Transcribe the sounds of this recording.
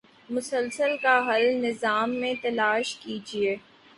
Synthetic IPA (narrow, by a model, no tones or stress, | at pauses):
mʊsəlsəlkaɦɐlnɪzaːmːẽt̪ɐlaːʃkiːd͡ʒieː